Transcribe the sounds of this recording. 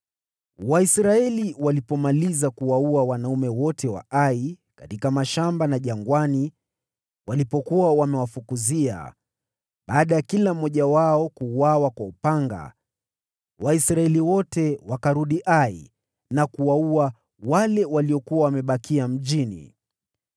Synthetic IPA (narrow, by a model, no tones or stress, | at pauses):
waisɾaɛliwalipɔmalizakuwauawanaumɛwɔtʰɛwa̰ʔai | katikamaʃambanaʄaŋɡwani | walipɔkuwawamɛwafukuzia̰ | ɓaːɗajakilam̩ːɔʄawaɔkuːwawakwaupaŋɡa̰ | wʔaisɾaɛliwɔtɛwakaɾuɗiʔai | nakuwaua | walɛwaliɔkuawamɛɓakiam̩ʄinḭ